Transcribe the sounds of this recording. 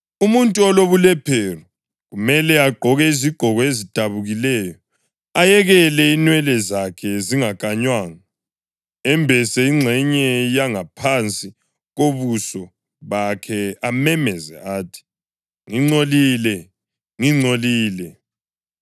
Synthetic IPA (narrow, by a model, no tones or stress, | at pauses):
umuntʼuɔloβulɛpʰɛru | ɣumɛlɛaɡ͡ǃʱɔɣɛiziɡ͡ǃʱɔɣɔezid̥ʱaβuɣilɛjɔ | ajɛɣɛlɛinwɛlɛzakʰɛziŋakʼaɲwaːŋa | ɛmbʱɛsɛiŋ͡ǀʱɛɲɛjaŋapʰant͡sʼi | ɣoβusɔ | βakʰɛamɛmɛzɛaːtʰi̥ | ŋiŋ͡ǀoliːlɛ | ŋiŋ͡ǀʱoliːlɛ